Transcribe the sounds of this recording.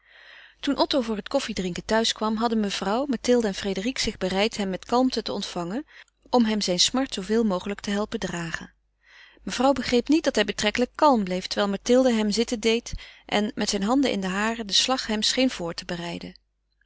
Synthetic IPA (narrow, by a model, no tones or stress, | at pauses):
tunʔɔtowvʊːɹɦətkɔfidrɪŋkəntœɥskʋɑmɦɑdənməv̥rɑwmatɪlˠdəɛnfrejdəriksɪχbərɛjtɦɛmːɛtkɑlˠmtətəɔntfɑŋən | ɔmɦɛmzɛjnsmɑɹtsowvɪːlˠmowχələktəɦɛlˠpədraːχən | məv̥rɑwbəχrejpnit̚dɑtɦɛjbətrɛkələkːɑlˠmblejftəɹʋɛːlˠmatɪlˠdəɦɛmzɪtəndejtʔɛ̰nmɛtsɛjnɦɑndəʔɪ̰ndəɦaːrədəslɑχɦɛmsχejnv̥ʊːɹtəbərɛjdən